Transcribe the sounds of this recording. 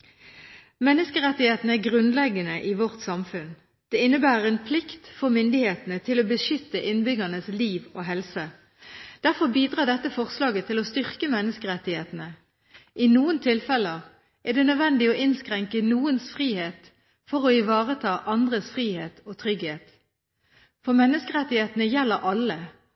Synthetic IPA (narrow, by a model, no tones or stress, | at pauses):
mɛnːəskəʁɛt̪ːɪheːt̪nəæʁɡʁʉnlɛɡːənəʔɪʋɔʁt̪sɑmfʉn | d̪̥ɛːɪnːəbæːʁəʁɛnpʰlɪkt̪fɔʁmʏnd̪ɪheːt̪ənət̪ʰɪloːbəʃʏt̪ːəʔɪnbʏɡɑnəsliːʋoːɦɛlsə | d̪̥æʁfɔʁbiːd̪ʁɑːɖ̪ɛt̪ːəfɔʁslɑːɡət̪ʰɪlɔst̪ʏʁkəmɛnːəskəʁɛt̪ːɪheːt̪n̩ə | ʔɪnuːənt̪ʰɪlfɛləʁ | ʔɛʁd̪ɛnœd̪ʋɛnd̪ɪɔʔɪnskʁɛŋkənuːənsfʁiːheːt̪ | fɔʁɔɪʋɑːʁət̪ʰɑːʔɑnd̪ʁəsfʁiːheːt̪oːt̪ʰʁʏɡheːt̪ | fɔʁmɛnːəskəʁɛt̪ːɪheːt̪nəjɛlːəɾʔɑlə